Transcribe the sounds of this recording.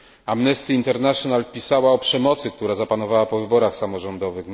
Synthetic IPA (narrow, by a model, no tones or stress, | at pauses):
amnɛst̪iːnt̪ɛɾnaʂɔnalpʲisawaɔpʂɛmɔt̪sɘkt̪uɾazapanɔvawapɔvɘbɔɾaxsamɔʐɔnd̪ɔvɘx